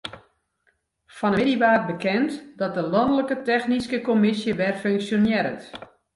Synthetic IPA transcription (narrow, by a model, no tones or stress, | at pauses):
fɔnədiʋaːt̚bəkɛntdɔt̚dəlɑndələkətɛxniskəkomɪsjəʋɛrføŋksjonjɛɾə̰t